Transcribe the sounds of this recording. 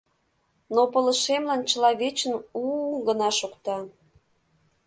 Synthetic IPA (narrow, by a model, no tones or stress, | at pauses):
nopələ̆ʃemlɑnt͡ɕəlɑβet͡ɕənuɡənɑʃokt̪ɑ